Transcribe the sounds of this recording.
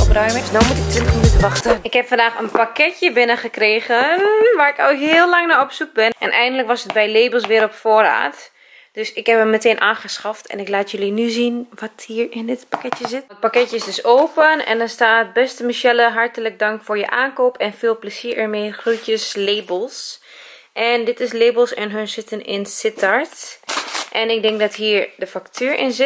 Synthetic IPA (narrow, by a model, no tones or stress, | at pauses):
ɔprœjməsdɔmutɪk̚tʋɪntəxminytənʋɑxtəɪkhɛpfɑndaːxənpakɛtjəbɪnəχəkreːɣənʋaːrɪkɔwɦɪːəlˠlɑŋnaɔpsuk̚bɪnʔɛ̰nʔɛ̰jɣəndələkʋɔsətbɛjleːbəlˠsʋɪːɾɔpfoːra̰ːt | d̥øsɪkhɛpəmməteːnʔaːχəsxɑftʰɛ̰nɪklaːtjølinyzinʋɑthiːɹɪnɪtpakɛtjəzɪtət̚pakɛtjəɪsdøsoːpənɛ̰ndɔnstaːt̚bɛstəmiʃɛləɦɑɹtələk̚dɑŋkfʊːɹjəʔaːnkoːpʰɛnfɪːlˠpləsiːɹɛɹmeːχrujtəsleːbəlˠs | ʔɛndɪtɪsleːbəlˠsɛnɦønsɪtənɪnsɪtʰaɹt | ʔɛnɪk̚dɛŋk̚dɔtɦiːɹdəfaktʰyːɹʔɪ̰nzɪ